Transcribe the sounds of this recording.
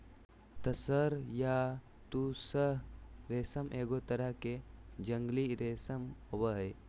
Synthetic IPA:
t̪ɐsəɾja | t̪usəɦɾeːsəmʔeːɡot̪ɐɾəked͡ʒə̃ŋɡliɾeːsəmwəɦj

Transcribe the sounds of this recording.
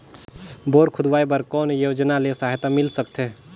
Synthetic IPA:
boːɾkʰʊd̪ʋaːebəɾkɔːnjoːd͡ʒnalesaːɦt̪amɪlsəkt̪e

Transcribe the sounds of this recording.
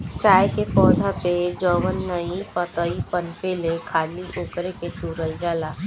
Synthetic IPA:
t͡ʃaːjkepɔːd̪ʱaped͡ʒɔːʋənːəipət̪əipənpeːlekʰaːliʔʊːkɾeket̪uːɾəld͡ʒaːlaː

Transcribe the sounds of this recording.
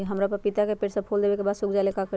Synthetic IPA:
ɦəmɾapəɾpit̪akepeːʈsapʰold̪eʋekebaːd̪sukd͡ʒaɪlekakə

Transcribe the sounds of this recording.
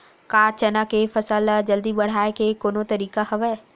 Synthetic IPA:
kaːt͡ʃənakefɐsaːlad͡ʒəld̪ibɐɽ̤aːekekoːnõt̪ɐɾiːkaɦɐʋɛ

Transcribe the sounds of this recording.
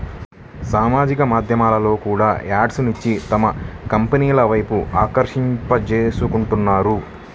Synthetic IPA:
saːmaːd͡ʒikɐmaːd̪ʱjɐmaːlɐlo̞ːkuːɽaːaːɖsnuɲt͡ʃːit̪ɐmɐkɐmpɐniːlɐʋɐjpuaːkɐɾʂimpɐt͡ʃeːsukuɳʈunːaːɾu

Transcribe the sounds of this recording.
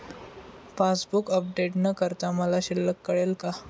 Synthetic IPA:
fasbukəp̚ɖeʈnəkəɾt̪aməlaɕilːəkːəɭelka

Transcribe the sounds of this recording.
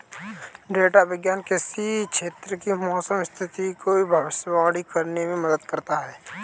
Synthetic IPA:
ɖeːʈaʋɪɡjaːnkɪsikʃʰeːt̪ɾəkimɔːsəmɪst̪ʰɪt̪ikoibʱaʋɪsəbaːɽikɐɾnemẽməd̪əd̪kəɾt̪aɦɛː

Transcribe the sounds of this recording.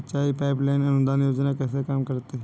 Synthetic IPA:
ətːt͡ʃaːipaːɪplaɪnɐnʊd̪aːnjoːd͡ʒnakɛːsekaːmkəɾt̪e

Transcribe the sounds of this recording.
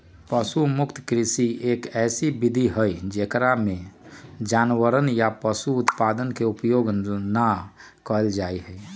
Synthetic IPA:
pəsumʊkt̪kɾɪsieːkɛːsibɪd̪ʱiɦəid͡ʒeːkɾamẽd͡ʒaːnwəɾənjapəsuʊt̪paːd̪ənkeʊpjoːɡna | kəld͡ʒaːiɦɛ

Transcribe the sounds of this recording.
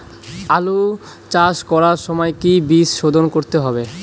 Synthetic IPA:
alu | t͡ɕaʃkɔɾaɾʃɔmɔekibisʃod̪ʱonkoɾt̪eɦɔbe

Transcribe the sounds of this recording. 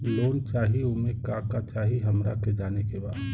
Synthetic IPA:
loːnt͡ʃaːɦiomẽkaːkat͡ʃaːɦiɦɐmɾaked͡ʒaːnekebaːd̪

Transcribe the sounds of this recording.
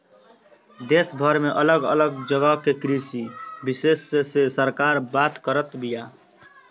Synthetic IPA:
d̪esbʱəɾmeʔələɡə̰ləɡd͡ʒəɡəkekɾisibisesːesesəɾkaɾbat̪kəɾət̪bija

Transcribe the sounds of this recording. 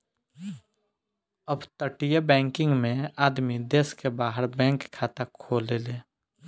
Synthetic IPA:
əbt̪əʈijebɛ̃ːŋkɪ̃ŋɡmẽaːd̪mid̪eːskebaːɦəɾbɛ̃ːŋkʰːaːt̪akʰːoːleleː

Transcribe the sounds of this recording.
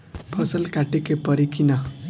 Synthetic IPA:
bʱʌsʌlkaʈekepʌɾikʰinʌ

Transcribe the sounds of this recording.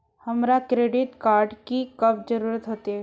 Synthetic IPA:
hɐmɾakɾeːɖɪʈkaːɾɖkikɐbd͡ʒɐɾuːɾət̪ɦoːt̪ɛ

